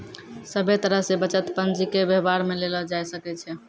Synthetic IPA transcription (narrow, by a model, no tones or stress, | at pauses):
səbʱet̪əɾəɦsebət͡ʃət̪pənd͡ʒikebeɦbaɾmelelɔd͡ʒajsəkɛt͡ʃʰɛ